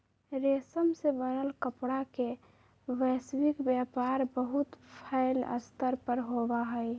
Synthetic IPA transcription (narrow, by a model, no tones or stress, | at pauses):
ɾesəmsebənəlkəpɽake | ʋəswikbjapaɾbəɦut̪pʰaɪlə̰st̪əɾpəɾɦobaɦəj